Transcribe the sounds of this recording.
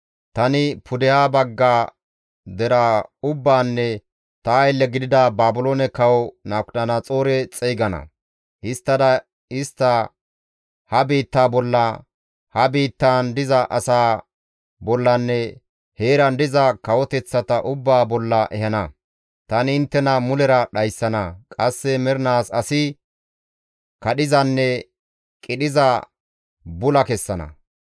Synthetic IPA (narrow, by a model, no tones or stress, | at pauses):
t̪ɐnɪpʰʊd̪ɛhaːbɐɡːaː | d̪ɛɾaːʊbːaːnːɛ | t̪ɐɐjlːɛɡɪd̪ɪd̪ɐbaːbʊloːnɛkɐwɔnaːkʊɐnɐt͡sʼo̞ːɾɛt͡sʼɛjɡɐnɐ̰ | ʔɪst̪ːɐd̪ɐ | ɪst̪ːɐ | hɐbiːt̪ːaːbɔlːɐ | hɐbiːt̪ːaːnd̪ɪzɐʔɐsaː | bɔlːɐnːɛ | heːɾɐnd̪ɪzɐkɐwɔt̪ɛt͡sːɐt̪ɐʔʊbːaːbɔlːɐʔɛhɐnɐ | t̪ɐnɪɪnt̪ːɛnɐmʊlɛɾɐɗɐjsːɐnɐkʼɐsːɛmɛɾnaːsɐsɪ | kɐɗɪzɐnːɛ | kʼɪɗɪzɐ | bʊlɐkɛsːɐnɐ̰